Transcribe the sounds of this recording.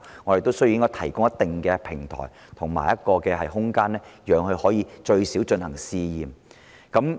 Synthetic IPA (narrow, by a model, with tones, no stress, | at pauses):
ŋɔː˨˧ɾe˨˩t̪o˥wsɵ˥ɥju˧ɪ˥ŋkɔː˥t̪ʰɐ˨˩jkʊ˥ŋjɐ˥t̪ɪ˨ŋkɛː˧pʰɪ˨˩ŋt̪ʰɔ̰ː˨˩j | t̪ʰʊ˨˩ŋma̰ː˨˩jɐ˥t̚kɔː˧kɛː˧hɐ˨jɦʊ˥ŋkaː˥nlɛː˥jœː˨˧ŋhɵ˧hɔː˨˥jiː˨˧t͡ʃɵ˧ɥsiː˨˥wt͡ʃɵ˧nhɐ˨˩ŋsiː˧jiː˨m | kɐ˨˥m